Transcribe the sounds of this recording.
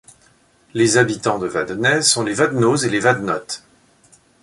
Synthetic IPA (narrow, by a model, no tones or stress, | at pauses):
lezabit̪ɑ̃d̪əvad̪nɛzsɔ̃levad̪nozelevad̪nɔt̪